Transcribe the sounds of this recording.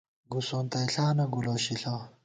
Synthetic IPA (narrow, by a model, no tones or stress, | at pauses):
ɡusoːnt̪ɐiɬaːnɐɡuloɕiɬaː